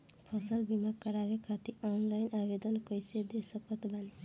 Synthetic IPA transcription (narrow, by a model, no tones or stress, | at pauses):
pʰʌsʌlbimakkːʌɾaɾekʰat̪iɔnlajnabed̪ʌnkʌjsed̪esʌkʌt̪bani